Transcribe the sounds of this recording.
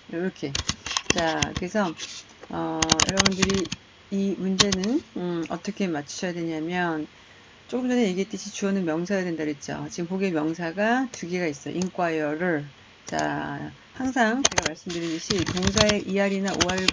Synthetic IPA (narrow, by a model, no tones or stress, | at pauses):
ɾʌkʰe̞t͡ɕakɯɾesʰʌ | ʌjʌ̰ɾʌbundɯɾi | imund͡ʑe̞nɯnɯʌ̰t͈ʌkʰe̞mat͡ɕʰu̥ɕʰʌjadwe̞ɲamjʌn | t͡ɕ͈ok͈ɯmd͡ʑʌnɯje̞ɡiet͈ɯɕʰit͡ɕuʌnɯnmjʌŋsʰaɾadwendaɾuit̚t͡ɕ͈o̰t͡ɕiɡɯmpoɡemjʌŋsʰaɡatuɡiɡais͈ʌjo̰ink͈wajʌɾɯɭ | t͡ɕa̰ | haŋsʰaŋt͡ɕeɡamaɭs͈ɯmdɯɾʌdɯɕʰitoŋs̬ʰae̞ʔiaɾinaʔoaɭ